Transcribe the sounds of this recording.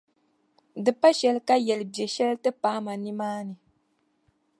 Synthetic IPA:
dɨ˨pa˦ʃɛ˦lka˦jɛ˨lbɛ˨ʃɛ˦ltɨ˦paː˦ma˨ni˦maː˦nɨ˨

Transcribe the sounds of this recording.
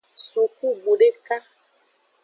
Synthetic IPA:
su˨ku˦ɡ͡bu˨ɖe˦ka˦

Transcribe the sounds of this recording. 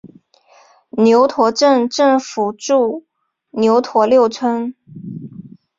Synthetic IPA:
njo˧˥ʊt̪ʰwɔ˧˥ʈ͡ʂə˥˧ŋʈ͡ʂɤ˥˩ŋfu˨˩ʈ͡ʂu˥˩ | njo˧˥ʊt̪ʰwɔ˧˥ljo˥˩ʊt͡sʰwə˥n

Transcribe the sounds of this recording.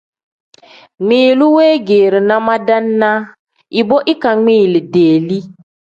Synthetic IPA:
ŋ͡mĩː˨lu˦weː˦ɡeː˨ɾi˨na˦ma˦da˦nːa˦ | i˨bo˦ʔi˦ka˨ŋĩː˦˨li˨deː˨li˦

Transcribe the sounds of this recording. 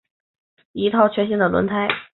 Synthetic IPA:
i˧˥t̪ʰɑ˥˩ʊt͡ɕʰɥɛ˧˥nɕi˥nd̪ə˨lwə̰˧˥nt̪ʰa˥ɪ

